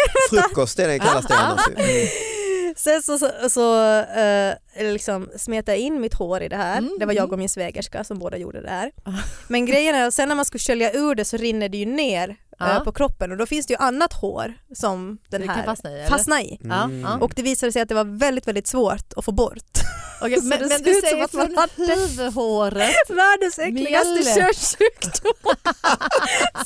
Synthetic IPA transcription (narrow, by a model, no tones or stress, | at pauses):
fɵkːɔst̪ɛɛkʰalːas | sɛnsɔɔsɔ | lɪksɔmsmeːt̪ajaɪnːmɪt̪hoːɾɪ̰d̪ɛhæːɾd̪ɛvaɾjɑːɡɔmɪnsveːɡəʂka̰sɔmboːd̪a̰jṵːɖə̰d̪ɛ̰hæːɾmɛnɡɾɛjːənæɾat̪sɛnːæɾmanskɵlɕœljaʉ̟ːɖɛsɔɾɪnːəɖ̪ɛjɵneːɾpʰɔkʰɾɔpːənɔd̪ɔfɪnsd̪ɛjɵʔanːat̪ho̰ːɾsɔmd̪̥ɛnhæ̰ɾsfasnaɪ̰ʔɔkd̪ɛviːsad̪əsɛjat̪d̪ɛvaɾvɛld̪ɪt̪vɛld̪ɪt̪svoːʈ̪ɔfoːbɔ̰ɾt̪ | d̪ɛsd̪ʉːssɔmat̪maːvɦoːɾəvaɖɛsɛklɪɡad̪ɛøːʂʉkd̪ʊ